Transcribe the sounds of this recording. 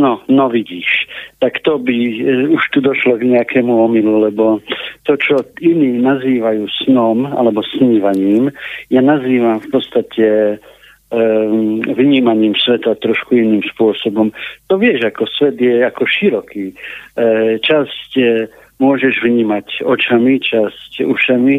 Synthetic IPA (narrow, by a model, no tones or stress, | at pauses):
nɔnɔʋiɟiːʃt̪akt̪ɔbiuʃt̪ud̪ɔʃlɔɡɲɛakʰɛːmuɔmilulɛbɔt̪ɔt͡ʃɔiniːnaziːʋajuːsnɔma̰lɛbɔsɲiʋaɲiːmjanaziːʋamfpɔt̪st̪acʰɛ | ʋɲiːmaɲiːmsʋɛt̪at̪ɾɔʃkuiniːmspʊɔsɔbɔmt̪ɔʋɪɛʒakɔsʋɛd̪jɛakɔʃiɾɔkʰiː | t͡ʃasc | mʊɔʒɛʒʋɲiːmacɔt͡ʃamit͡ʃascṵʃami